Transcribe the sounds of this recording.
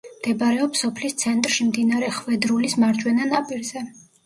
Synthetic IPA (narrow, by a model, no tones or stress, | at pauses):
md̪̥ɛbaɾɛɔpsɔpʰlist̪sʰɛnt̪ʼɾʃimd̪inaɾɛχvɛd̪ɾulismaɾd͡ʒʼwɛnanapʼiɾzɛ